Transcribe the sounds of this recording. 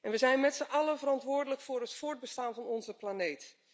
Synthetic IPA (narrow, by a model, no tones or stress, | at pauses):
ɛnʋəzɛjnmɛtsəʔɑləvərɑntʋʊːɹdələkfʊːrɦətfʊːɹd̚bəstaːnvɑnɔnzəplanejt